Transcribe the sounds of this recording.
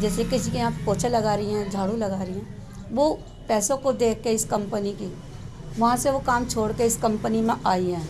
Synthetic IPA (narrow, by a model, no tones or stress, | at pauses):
d͡ʒɛːsekɪs̬ikeãːpkoːt͡ʃʰelɐɡaːɾɐɦĩɦɛ̃d͡ʒʱaːɽũlɐɡaːɾəĩɦɛ̃ː | ʋo | pɛːsõkod̪eːk̚ʰːeɪskɐ̃mpəniki | ʋɐɦãseʋokaːmt͡ʃʰoːɽkeɪskɐ̃mpənimẽʔaːiɦɛ̃ː